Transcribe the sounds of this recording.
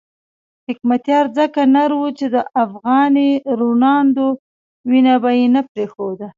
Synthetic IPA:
hɪkmat̪jɑɾzəkanaɾwut͡ʃed̪əʔafɣɑniɾunɑnd̪o | winabajenapɾexod̪a

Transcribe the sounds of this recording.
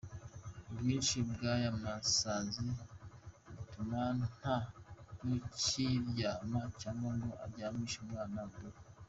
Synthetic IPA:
bɡiːnʃibɡajamasazi | itumann̥hakuciɾjaːmacaːŋɡaŋɡoʔa̰ɾɟaːmiʃumŋaːnabɡo

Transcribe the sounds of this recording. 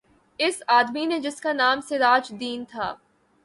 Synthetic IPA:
ɪsaːd̪mined͡ʒɪskanaːmsɪɾaːt͡ʃd̪iːnt̪ʰaː

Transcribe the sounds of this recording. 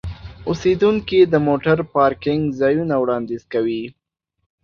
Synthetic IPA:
ʊsed̪uŋkid̪əmoʈaɾpɑɾkɪŋɡzɑjunawɽɑnd̪ezkawi

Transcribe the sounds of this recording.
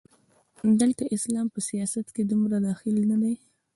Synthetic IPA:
d̪əlt̪aʔɪslɑmpəsijɑsat̪ked̪umɾad̪ɑxɪlnad̪aj

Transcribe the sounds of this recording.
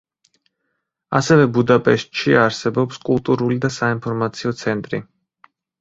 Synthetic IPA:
a̰sɛvɛbud̪apʼɛʃt̪ʼʃiaɾsɛbɔpskʼulˠt̪ʼuɾulid̪asainpʰɔɾmat̪sʰiɔt̪sʰɛnt̪ʼɾḭ

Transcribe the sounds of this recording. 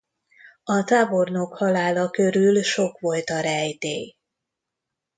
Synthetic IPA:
ɒt̪aːbo̞rnokhɒlaːlɒkø̞ɾylʃo̞kʋo̞lt̪ɒɾɛjt̪eː

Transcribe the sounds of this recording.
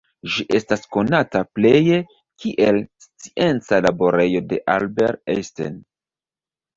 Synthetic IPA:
ʒiʔe̞stasko̞natapleje | kʰiʔe̞lst͡siʔe̞nt͡salabo̞ɾe̞jo̞de̞ʔalbe̞ɾeste̞̰n

